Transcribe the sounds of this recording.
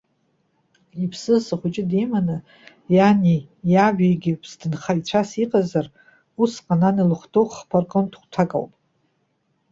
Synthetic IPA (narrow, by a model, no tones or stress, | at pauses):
ipʰsɨzsaχʷʊt͡ʃʼɪdejmanɨ | janijaʒᶣeɡʲɪpʰsdɨnχait͡ɕʷʰasiqʼazar | usqʼananilɨχtʰowχpʰarkʼontʰχʷtʰakʼa̰wpʼ